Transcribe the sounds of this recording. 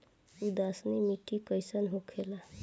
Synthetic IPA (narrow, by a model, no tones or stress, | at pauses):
ud̪asnimiʈikəjsənɦokʰela